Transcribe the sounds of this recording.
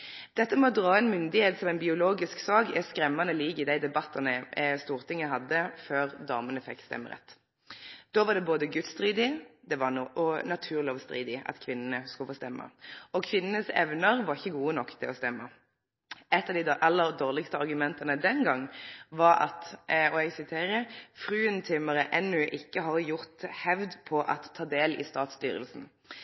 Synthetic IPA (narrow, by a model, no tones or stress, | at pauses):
d̪̥ɛt̪ːəmɛɔd̪ʁɑːɛnmʏnd̪ɪheːt̪sɔmæɪnbɪʊloːɡɪsksɑːkɛskɾɛmːɑnəliːɡɪd̪æɪd̪ɛbɑt̪ːɑnəst̪uːʁt̪ʰɪŋːəɦɑd̪ːəføːʁd̪ɑːmənəfɛ̰kːst̪ɛ̰mːə̰ʁɛ̰t̪ː | d̪̥oːʋɑɖ̪ɛboːd̪əɡʉt̪st̪ʁiːd̪ɪd̪ɛʋɑnʔɔnɑt̪ʰʉːʁlɪɔʋst̪ʁḭːd̪ɪɑ̰t̪kʰʋɪnːənəskʉləfoːst̪ɛmːə̰ɔkʰʋɪnənəsɛ̰ʋnəɾʋɑʁɪçːəɡuːənɔkːt̪ʰɪɔst̪ɛmːə | ɛt̪ːɑʋd̪ɪɑlːəɾd̪oːʁlɪkst̪əɑʁɡʉmɛnt̪ɑnəd̪ɛnɡɑŋːʋɑɾɑ̰t̪ɔɛɡsɪt̪ʰeːɾəfʁʉːənt̪ʰʏməɾəʔɛnːʉʔɪkːəɦɑɾjʊʁt̪hɛʋd̪pʰɔʔɑ̰t̪ʰːɑːd̪eːlɪ̰st̪ɑːt̪st̪y̰ːɾə̰lsn̩